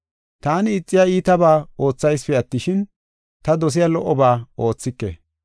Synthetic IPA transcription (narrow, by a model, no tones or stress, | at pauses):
t̪aːnɪːt͡sʼːɪjaːiːt̪ɐbaːo̞ːt͡sːɐjspɛɐt̪ːɪʃɪn | t̪ɐd̪ɔs̬ɪjalɔʔːɔbaːo̞ːt͡sːɪkːḛ